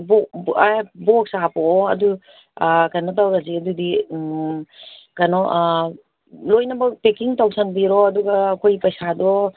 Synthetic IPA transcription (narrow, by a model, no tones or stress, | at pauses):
bɔabɔk̚sapɔːɐ̰du | kanɔtawɾaziɐdudi | kanɔʔ | lojnɐbɐpekiŋtawsʰanbiɾɔɐduɡɐːkʰojpɐjsadɔ